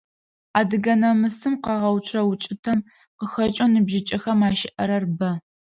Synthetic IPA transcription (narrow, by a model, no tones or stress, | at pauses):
aːdɨɡɐnɐmɨsɨmqɑʁɐwt͡ʃʷʰrɐwʊt͡ʃʼɪtʰɐm | qəxɐt͡ʃʼonɨbʒɪt͡ʃʼɐxɐmaːʃɪʔɐɾɐrbɐ